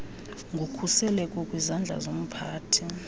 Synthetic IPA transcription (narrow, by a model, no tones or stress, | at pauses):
ŋɡʱukʰusɛlɛkʼɔkʼwizand͡ɮʱa̰zom̩pʰaːtʰi